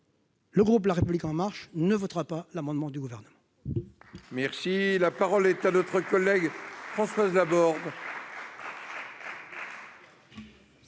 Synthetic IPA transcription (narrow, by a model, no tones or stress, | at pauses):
ləɡʁup̬laʁepyblikɑ̃maʁʃnəvɔt̪ʁapalamɑ̃d̪mɑ̃d̪yɡuvɛʁnəmɑ̃ | mɛʁsilapaʁɔlɛt̪anɔt̪χəkɔlːɛɡfχɑ̃swazlabɔʁd̪